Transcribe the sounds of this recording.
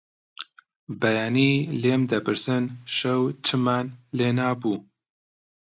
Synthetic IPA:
bɐjaːniːleːmd̪ɐpɨɾsɨnʃɐwt͡ʃʰɨmaːnleːnaːbuː

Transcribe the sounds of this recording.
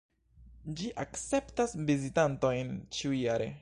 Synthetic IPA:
d͡ʒiʔakt͡se̞ptasvizitanto̞jnt͡ʃiujjaɾe̞̰

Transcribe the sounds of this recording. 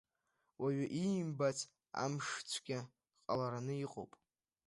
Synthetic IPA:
waɥaʔimbat͡sʰʼ | a̰mʂt͡sʷʰɡʲɪ | qʼalaɾanɨiqʼo̰wpʼ

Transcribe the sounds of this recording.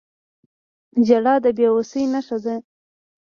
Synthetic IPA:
d͡ʒaɽɑd̪əbjeosəjnaʂaze

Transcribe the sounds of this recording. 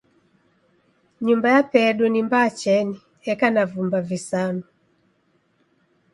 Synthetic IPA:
ɲumbajapɛɗunimbaːt͡ʃɛni | ɛkanavumbavisanu

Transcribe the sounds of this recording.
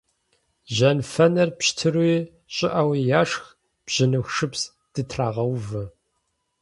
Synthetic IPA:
ʑɐnfɐnɐrpɕtʰɨrwj | ɕʼɪʔawijaːʂx | b̥ʑ̥ɪnɨxʂɨps | d̥ɨtʰraːʁɐwvɨ

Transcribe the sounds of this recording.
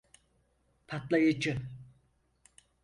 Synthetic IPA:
pʰat̪lˠajɯd͡ʒɯ

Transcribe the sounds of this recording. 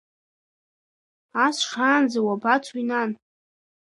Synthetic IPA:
asʂaːnd͡zawabat͡sʷʰwinan

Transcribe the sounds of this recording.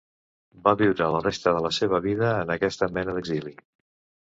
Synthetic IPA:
baβiwɾələrest̪əðələseβ̞əβiðəːnəkɛst̪əmɛnəðəɡzili

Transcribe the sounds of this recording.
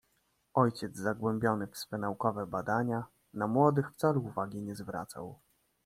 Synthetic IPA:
ɔjt͡ɕɛd̪zzaɡwɛmbʲjɔnɘfsfɛnaukɔvɛbad̪aɲa | namwɔd̪ɘxft̪saluːvaɡʲiɲɛzvɾa̰t̪sa̰w

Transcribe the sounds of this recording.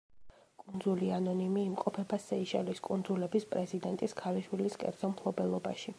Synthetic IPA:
kʼund̪zulianɔnimiːmqʼɔpʰɛbasɛiʃɛ̰liskʼund̪zulɛbispʼɾɛzid̪ɛnt̪ʼiskʰaliʃwiliskʼɛ̰ɾd̪z̥ɔmpʰlˠɔbɛlˠɔbaʃi

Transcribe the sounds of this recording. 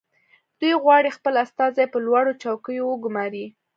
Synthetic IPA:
d̪̥ujɣwɑɽixpəlast̪ɑzajpəlwaɽot͡ʃɑwkəjowəɡʊmɑɾi

